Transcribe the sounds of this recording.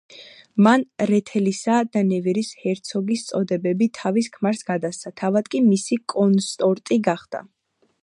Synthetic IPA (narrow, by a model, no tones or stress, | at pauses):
manɾɛt̪ʰɛlisad̪anɛviɾishɛɾt̪sʰɔɡist̪sʼɔd̪ɛbɛbit̪ʰaviskʰmaɾsɡad̪ast̪sat̪ʰavad̪̚kʼimisikʼɔnst̪ʼɔɾt̪ʼiɡaχd̪̥a̰